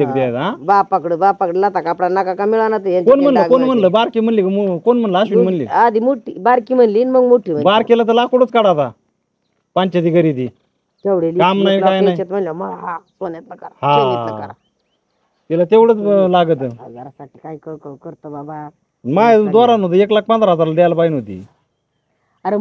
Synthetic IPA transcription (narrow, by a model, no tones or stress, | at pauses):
ək̚d̪ejt̪ɦabapəkɽəbapəkɽəlat̪akapɽanakakamiɭanat̪əjaɲkonm̤ənləkonm̤əɳləbaɾkim̤əɳlikamukonm̤əɳləaɕum̤əɳlḭad̪imoʈːibaɾkim̤ənlinməɡmoʈʰːim̤əbaɾkelat̪̬əlakoɽət͡skaɽat̪a | paɲt͡ɕad̪iɡəɾid̪i | t̪eʋɽelkamnajkajnajet̪m̤əɳljamalaɦasonat̪lakahã | t̪ilat̪eʋɽət͡slaɡət̪aʈikajkəkəkəɾt̪əbaba | majd̪ʋaɾanɦot̪̬əeklak̚pãnt͡sɾaad͡zaɾlad̪alpajinɦot̪ḭ | aɾe